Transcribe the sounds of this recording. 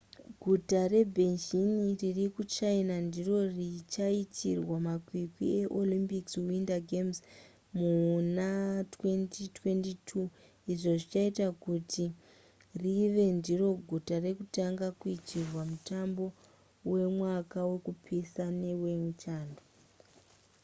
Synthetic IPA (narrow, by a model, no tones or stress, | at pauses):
ɡʱutare̞bʱenʒiniririkut͡ʃainandiro̞rit͡ʃaitʰirwamakwikwḭe̞ʔo̞limpikswindaɡʱemz | munatwe̞ntitwe̞ntitʰu | iʐo̞ʐit͡ʃaitakutʰi | riʋe̞ndiro̞ɡʱutare̞kutaŋɡakuitirwamutambo̞ | we̞mwakawe̞kupʰesane̞weŋt͡ʃaːndo